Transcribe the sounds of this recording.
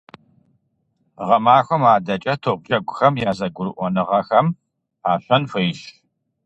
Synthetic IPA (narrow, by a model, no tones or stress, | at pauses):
ʁɐmaːxʷɔmaːdɐt͡ʃʼɐtʰoːʁʷd͡ʒɐɡʷʊxɐmjaːzɐɡʷʊɾɨʔʷɔnɨʁɐxɐm | aːɕʷɐnfɨjʃ